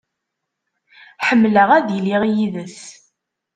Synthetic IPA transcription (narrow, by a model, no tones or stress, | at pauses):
ħəmːləʁæðjəlːiʁijiðəs